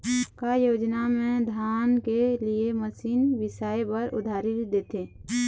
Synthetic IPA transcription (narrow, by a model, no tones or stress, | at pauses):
kajoːd͡ʒnamẽd̪ʱaːnkelieməsiːnʋɪsaːjepəɾʊ̰d̪ʱaːɾɪɾd̪eːt̪eː